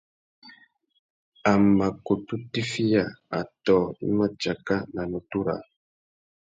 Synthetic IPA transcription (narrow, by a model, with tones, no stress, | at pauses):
a˨ma˨ko˨tu˦ti˦fi˦ja˨a̰˨tɔː˨i˦ma˦d͡ʒa˨ka˦na˨nu˨tu˦ɾa̰˨